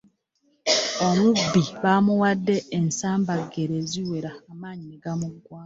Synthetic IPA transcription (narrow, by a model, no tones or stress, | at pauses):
omubːiβamuwadːe̞ːnsaːmbaɡeɾe̞ːziwe̞ɾaːmaːɲineɡamuɡwaː